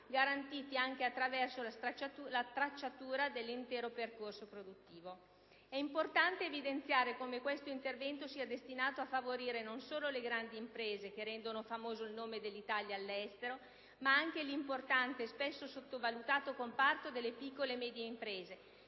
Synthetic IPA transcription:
ɡaɾant̪iːt̪iaŋk̟eat̪ːɾavɛrsolasat͡ʃaulat̪ɾat͡ʃːat̪uːɾad̪elːint̪ɛːɾoperkorsopɾod̪ut̪ːiːvo | ɛimport̪ant̪eːvid̪ent̪sjaːɾekomekwest̪oint̪ervɛnt̪osiad̪est̪inaːt̪oafːavoɾiːɾenonsoːloleɡɾand̪iːmpɾeːzek̟eɾɛnd̪onofamoːzoilnoːmed̪elːit̪aljaːlːɛst̪eɾo | maaŋk̟elimport̪ant̪eːspɛsːosot̪ːovalut̪aːt̪okompart̪od̪elːepikːolemɛːd̪jeimpɾeːze

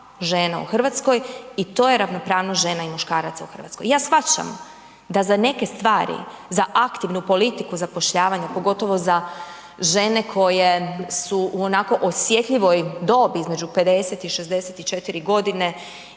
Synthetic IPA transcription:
ʒe̞ːnaṵxr̩ʋat̪sko̞jit̪o̞ːje̞ɾaʋnopɾaːʋnoʒe̞ːnaimuʃkaːɾat̪sauxr̩ʋa̰t̪skojaːsxʋat͡ɕa̰m | d̪azane̞ke̞st̪ʋaːɾḭzaʔakt̪iʋnupo̞lit̪ikuzapo̞ʃʎaːʋaɲapo̞ɡo̞t̪o̞ʋo̞za | ʒe̞ne̞kʰo̞je̞suuo̞nako̞ʔosje̞t̪ʎiʋo̞jd̪o̞ːbiizme̞d͡ʒupe̞d̪e̞set̪iʃe̞zd̪e̞set̪it͡ʃe̞t̪iɾiɡo̞d̪ine̞

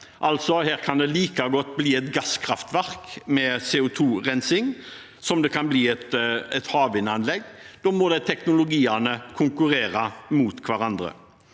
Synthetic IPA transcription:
ʔɑlt̪sɔhæːɾkʰɑnd̪ɛliːkɑɡɔt̪ːbliːɛt̪ɡɑskʰɾɑft̪ʋæʁkmɛseːʊt̪ʰuːʁɛnsɪŋ | sɔmd̪ɛkʰɑnbliːɛt̪ɛt̪hɑːʋɪnɑnlɛɡd̪oːmɔd̪æɪt̪ʰɛknʊlʊɡiːɑnəkʰʊŋkʉɾeːɾɑmuːt̪kʰʋæɾɑnd̪ɾə̰

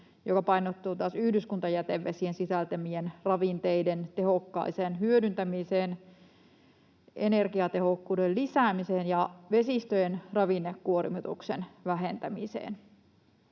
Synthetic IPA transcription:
jokɑpɑinot̪ːuːt̪uɑːsyhdyskunt̪ɑjæt̪eʋʋesiensisælt̪æmienrɑʋint̪eident̪ehokːɑ̰iseːnɦyødynt̪æmiseːn | ḛnerkiɑt̪ehokːuːdellisæːmiseːnjɑʋesist̪øjenrɑʋinːekːuorimit̪ṵksḛnʋæɦent̪æmisḛːn

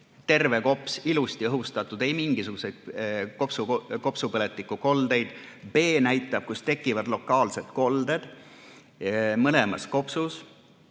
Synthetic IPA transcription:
t̪e̞rve̞ko̞psilust̪iɤɦust̪ɑt̪ːˑud̪̥e̞jmiŋɡ̥isuɡ̥use̞jd̪̚kopsuko̞psupɤlet̪ːˑikːˑuko̞ld̪e̞jd̪̥ | b̥e̞ːnæjt̪ˑːɑb̥̚kust̪e̞kːˑivɑd̪̥lo̞kːˑɑːlse̞t̪ko̞ld̪e̞d̪̥ | mɤlemɑsko̞psus

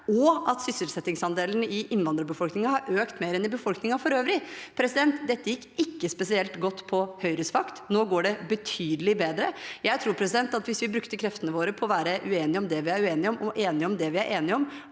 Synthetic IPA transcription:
ɔɑt̪sʏsəlsɛt̪ːɪŋsɑnd̪eːlənɪʔɪnʋɑnd̪ɾəbəfɔlknɪŋɑhɑɾʔøːkt̪meːɾɛnɪbəfɔlknɪŋɑfɔɾøːʋɾɪpʰɾɛsɪd̪ɛnt̪d̪ɛt̪ːəjɪkːɪkːəspɛsɪɛlt̪ɡɔt̪ːpʰɔhœʏɾəsʋɑkt̪noːɡoːɖɛbət̪ʰyːd̪əlɪbeːd̪ɾəjæɪt̪ʰɾuːɾpʰɾɛsɪd̪ɛnt̪ɑt̪ʋɪsʋɪbɾʉkt̪əkʰɾɛft̪ənəʋoːɾəpʰɔɔʋæːɾəʔʉeːnɪɔmd̪ɛʋɪæɾʉeːnɪɔmʔɔʔeːnɪɔmd̪ɛʋɪæɾʔeːnɪɔm

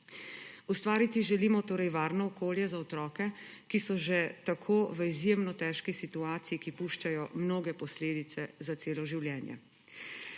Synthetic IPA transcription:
ust̪ʋaːɾit̪iʒɛliːmɔt̪oːɾɛjʋaːɾnɔɔkoːljɛzaɔt̪ɾɔːkɛkisɔʒɛt̪akʰoːʋəizjeːmnɔt̪ɛːʃkisit̪uaːt̪sijikipuːʃt͡ʃajɔmnoːɡɛpɔsleːd̪it̪sɛzat̪eːlɔʒiwljɛːnjɛ̰

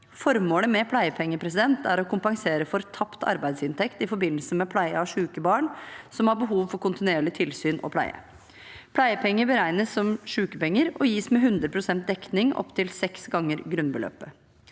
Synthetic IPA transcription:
fɔɾmoːləmɛpʰlæɪəpʰɛŋːəpʰɾɛs̬ɪd̪ɛnt̪ʰæɾɔkʊmpɑŋseːɾəfɔɾt̪ʰɑpt̪ʰɑ̰ɾbæɪd̪sɪnt̪ʰɛkt̪ɪfɔɾbɪnːəlsəmɛpʰlæɪəɑʂʉːkəbɑːɳsɔmhɑbəɦuːʋfɔɾkʊnt̪ɪneːɭɪt̪ʰɪlsyːnʔɔ̰pʰlæ̰ɪə̰ | pʰlæɪəpʰɛŋːəbəɾæɪnəsːɔmʂʉːkəpɛŋːəɾɔjiːsmɛɦʉnd̪ɾəpʰɾʊsɛnt̪̚d̪ɛknɪŋɔ̰pt̪ʰɪlsɛksɡɑŋːəɾɡɾʉnbəlø̰ːpə

